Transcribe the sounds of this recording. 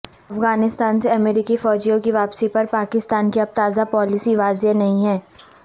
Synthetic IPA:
ɐfɣaːnɪst̪aːnseɐmɛːɾikifɔːd͡ʒijõkiʋaːpsipɐɾpaːkɪst̪aːnkiɐp̚t̪aːzapɔːlɪsiʋaːzenɐɦĩɦɛː

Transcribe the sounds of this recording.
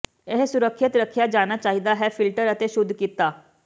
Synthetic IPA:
ɪɦsʊɾəkʰːət̪ɾəkʰːjaːd͡ʒaːnaːt͡ʃaːɦiːd̪aːɦɛːpʰɪlʈəɾət̪eːʃʊd̪ʱːkiːt̪ːaː

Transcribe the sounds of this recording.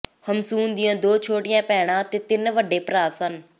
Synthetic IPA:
həmsuːnd̪ɪjãːd̪oːt͡ʃʰoːʈɪjãːpɛːɽ̃ãːt̪eːt̪ɪnʋəɖeːpɾaːsən

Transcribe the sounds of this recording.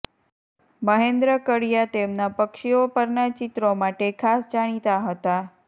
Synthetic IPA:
məɦend̪ɾəkəɽijat̪emnapəkʃiopəɾnat͡ʃɪt̪ɾomaʈekʰasd͡ʒaɽ̃it̪aɦət̪a

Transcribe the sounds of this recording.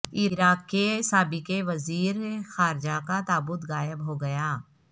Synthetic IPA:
iɾaːkkːesaːbikeʋɐziːɾxaːɾd͡ʒakat̪aːbʊt̪ɣaːjɪbɦoɡɐjaː

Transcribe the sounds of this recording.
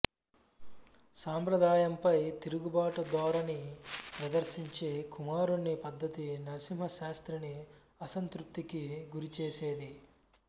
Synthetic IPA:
saːmpɾɐd̪aːjɐmpɐjt̪iɾuɡubaːʈɐd̪ʋaːɾɐnipɾɐd̪ɐɾsiɲt͡ʃeːkumaːɾunːipɐd̪ːɐt̪inɐsim̤ɦɐʃaːst̪ɾini | ɐsɐnt̪ɾup̚t̪ːikiɡuɾit͡ʃeːseːd̪i

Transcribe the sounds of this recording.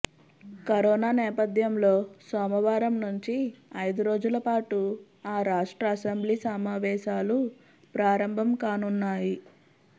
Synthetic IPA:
kɐɾɔːnaːnɛːpɐd̪ʱjɐmlo̞ːsɔːmɐʋaːɾɐmnuɲt͡ʃiɐjd̪uɾo̞ːd͡ʒulɐpaːʈu | aːɾaːʂʈɾɐːsɐmbliːsɐmaːʋɛːʃaːlu | pɾaːɾɐmbʱɐmkaːnunːaːji

